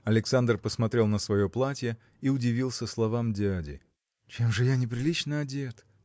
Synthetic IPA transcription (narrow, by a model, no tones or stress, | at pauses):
ɐlʲɪksand̪rpəsmɐt̪ɾʲe̞lˠnəsvɐjoplˠatʲjə | iʊdʲɪvʲilˠsʲəslˠɐvamdʲadʲɪ̰ | t͡ɕemʐɨjanʲɪpɾʲɪlʲit͡ɕnəɐdʲe̞t̪